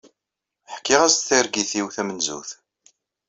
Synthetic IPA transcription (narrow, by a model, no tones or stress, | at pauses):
ħkːiʁæzθæɾɡiθiwθæmənzṵθ